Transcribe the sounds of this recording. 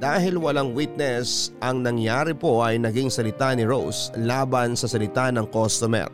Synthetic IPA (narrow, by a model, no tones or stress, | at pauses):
d̪̥aːɦɪlwɐlaŋwit̪̚nɛsʔɐŋnɐŋjaːɾɪpo̞ʔɐjnɐɡiŋsɐlɪt̪anɪɾowslaːbɐnsɐsɐlɪt̪anɐŋkost̪omɛ̰r